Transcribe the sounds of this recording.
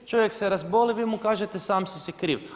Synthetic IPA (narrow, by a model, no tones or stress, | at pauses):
t͡ʃoʋjekseɾazboliʋimukaːʒet̪esaːmsisikɾḭʋ